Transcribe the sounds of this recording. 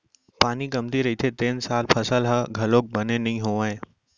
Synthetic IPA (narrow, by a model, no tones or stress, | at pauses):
paːniɡɐmt̪iɾɐɦit̪ʰet̪eːnsaːlpʰəsəlɦəɡʱɐloːk̚bənenɐɦĩɦoːʋaẽ